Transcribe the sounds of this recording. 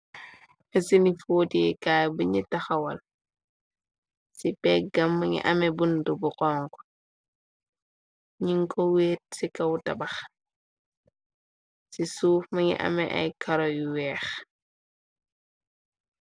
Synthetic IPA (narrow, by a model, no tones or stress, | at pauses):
ɐsinifoːtiɛkaːjbuɲitɐxɐwɐl | sipɛk̚ɡɐmːɐŋḭʔɐmɛbundubuqɔːŋkɔ̥ | ɲiŋkɔweːt̚sikɐwutɐ̰bɐx | sisuːfmɐŋḭʔɐ̰mɛ̰ʔɐ̰jkɐɾɔjuwɛːx